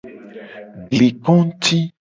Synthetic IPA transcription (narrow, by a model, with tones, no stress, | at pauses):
ɡli˨kɔ̃˦t̪i˦